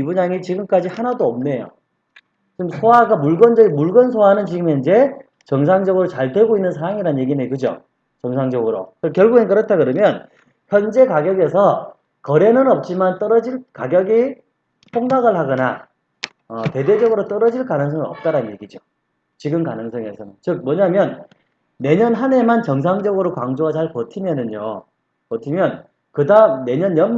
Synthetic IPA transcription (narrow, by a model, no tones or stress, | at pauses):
ibuɲaŋit͡ɕiɡɯmk͈ad͡ʑihanadoʌmne̞jo̰ | t͡ɕimsʰowaɡamuɭɡʌnd͡ʑʌɡimuɭɡʌnsʰoanɯnt͡ɕiɡɯme̞ind͡ʑe̞ | t͡ɕʌŋs̬ʰaŋd͡ʑʌɡɯɾot͡ɕaɭtwe̞ɡoinːɯnsʰaɾaŋiɾanje̞ɡinekɯd͡ʑo̰ | t͡ɕʌŋsʰaŋd͡ʑʌɡɯɾo̰kɯkjʌɭɡuɡenkɯɾʌtʰakɯɾʌmjʌn | çjʌnd͡ʑe̞kaɡjʌɡe̞sʰʌ | kʌɾe̞nɯnʌp̚t͡ɕ͈imant͈ʌɾʌd͡ʑiɭkaɡjʌɡi | pʰoŋɡaɡɯɭhaɡʌna | ʌte̞de̞d͡ʑʌɡɯɾot͈ʌɾʌd͡ʑiɭkanɯŋs̬ʰʌŋiʌp̚t͈aɾannɲjeɡid͡ʑo | t͡ɕiɡɯmkanɯŋsʰʌŋe̞sʰʌnɯnt͡ɕɯk̚mwʌɲamjʌnː | e̞ɲʌnɦane̞mant͡ɕʌŋs̬ʰaŋd͡ʑʌɡɯɾokwaŋd͡ʑoɡat͡ɕaɭkʌtʰimjʌnɯɲo | kʌtʰimjʌn | kɯdamne̞ɲʌnjʌn